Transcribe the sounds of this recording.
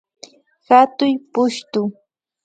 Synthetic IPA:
hat̪ʊjpʊʃt̪ʊ

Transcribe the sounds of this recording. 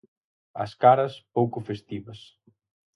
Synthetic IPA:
ɐ̰skaɾɐspowkʊfest̪iβɐs

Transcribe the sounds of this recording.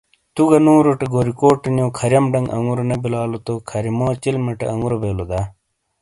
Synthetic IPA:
t̪uɡɐnũːɾoʈeɡoːɾikoːʈenjõːkʰɐɾjɐmɖɐŋɡʔɐ̰ŋuɾonɐbilaːlot̪okʰɐɾimoːt͡ɕilmɐʈḛʔɐŋɡuɾobeːlod̪ɐ

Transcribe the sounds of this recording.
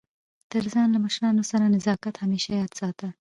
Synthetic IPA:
t̪əɾzɑnlaməʃɾɑnosaɾanɪzɑkat̪hameʃajɑd̪sɑt̪ə

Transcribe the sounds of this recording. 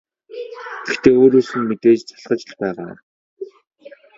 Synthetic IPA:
ɡ̥ext̪ʰeːoːɾoːsɘ̆nmet̪eːt͡ɕt͡sʰḁɮɢə̆t͡ɕɪ̆ɮpæːʁa̰ː

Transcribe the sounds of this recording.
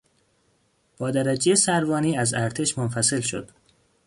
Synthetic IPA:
b̥ɒːd̪æɾæd͡ʒejesæɾvɒːniːæzæɾt̪ʰe̞ʃmonfæse̞lʃo̞̰d̪̥

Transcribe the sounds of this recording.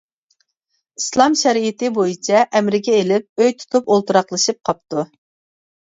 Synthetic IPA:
islˠɑmʃɛɾijit̪ɪbojit͡ʃʰɛʔɛmɾɪkʲɛelɪp̚øjt̪ʰu̥t̪ʰupolˠt̪uɾɑqlˠɨʃɨp̚qʰɑp̚t̪u

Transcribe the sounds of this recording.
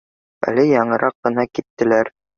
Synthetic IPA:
æ̰lɘjɑɴɤ̆ɾʔɑqːɤ̆nɑkit̪ːɘ̆læɾ

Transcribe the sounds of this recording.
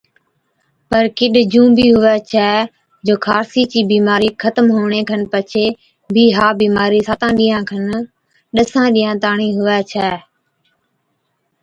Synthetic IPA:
pəɾkɪɗd͡ʒũːbiːɦʊʋɛːt͡ʃʰɛː | d͡ʒoːkʰaːɾsiːt͡ʃiːbiːmaːɾiːkʰət̪əmɦoːɳ̃eːkʰənpət͡ʃʰeː | bʱiːɦaːbiːmaːɾiːsaːt̪ãːɗiːãːkʰən | ɗəsãːɗiːãːt̪aːɳiːɦʊʋɛːt͡ʃʰɛː

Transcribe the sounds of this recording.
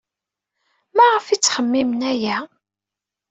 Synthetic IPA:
mæʁəfit͡sːχəmːimənæjæ

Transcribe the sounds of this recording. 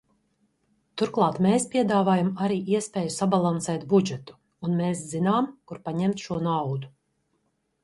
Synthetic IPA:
t̪uɾklˠɑːt̪meːspʲiɛd̪aːvaːjamaɾiːʔiɛspʲɛːjusabalˠansɛːt̪bud͡ʒɛt̪u̥ː | nmeːszinaːmkuɾpaɲɛmt̪ʃuɔnawd̪u

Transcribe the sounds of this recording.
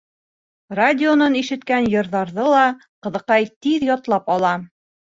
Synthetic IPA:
radʲɪonɤniʃɘ̆t̪kænjɤ̆ɾðɑɾðɤlˠɑ | qɤ̆ðɤ̆qɑjt̪iðjɒt̪lˠɑpɒlˠɑ

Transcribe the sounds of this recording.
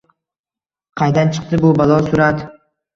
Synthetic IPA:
qʰɑjd̪ant͡ʃʰɨ̥q̚t̪ɪbʊbalˠɒsʊɾat̪

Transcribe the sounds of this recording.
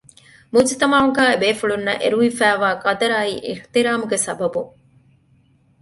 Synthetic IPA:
muːd͡ʒɐt̪ɐmaːuŋɡaːebeːfuɭunːɐ̰ʔḛɾuʋifæːʋaːkɐd̪ɐɾaːiːʔḭht̪iɾaːmuɡesɐbɐbu

